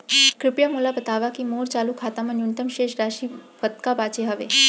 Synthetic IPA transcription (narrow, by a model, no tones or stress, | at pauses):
kɾɪpjamulabət̪aʋakimoɽt͡ɕaːlukʰaːt̪amənunt̪əmʃeʃɾaʃiːpət̪kabat͡ʃeɦəʋe